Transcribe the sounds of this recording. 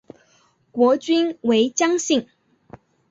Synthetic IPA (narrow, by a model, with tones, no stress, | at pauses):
kwɔ˧˥t͡ɕy˥nwe˧˥ɪt͡ɕjɑ˥ŋɕi˥˩ŋ